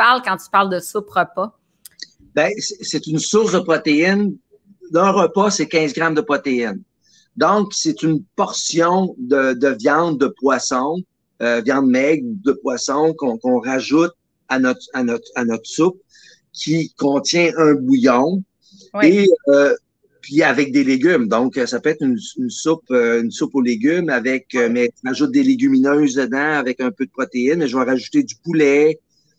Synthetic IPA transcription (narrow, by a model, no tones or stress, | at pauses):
paʁlkɑ̃t̪y̥paʁld̪əsʊpʁəpɔ | bɛseset̪ynsʊʁsd̪əpχɔt̪eɪn | d̪ə̃ʁəpɔsekʲɛ̃zɡʁamd̪əpχɔt̪eɪn | d̪ɔ̃kset̪ynpɔʁsjɔ̃d̪əd̪əvjɑ̃t̪d̪əpwasɔ̃ | øvjɑ̃d̪̚mɛɡud̪əpwasɔ̃kɔ̃kɔ̃ʁaʒʊt̪̚ | anɔt̪χant̪χanɔt̪χsʊp̚ | kʲʰikɔ̃t̪t͡sʲjɛ̃ʔœ̃bujɔ̃ | e | pɥiavɛk̚d̪eleɡʲymd̪ɔ̃kəsapøɛt̪χynynsʊpøynsʊpoleɡʲymavɛkømɛʁaʒʊt̪̚d̪eleɡʲyminøːzd̪əd̪ãavɛkœ̃ːpød̪əpχɔt̪eɪnmɛʒəvaʁaʒut̪ed̪ypulɛ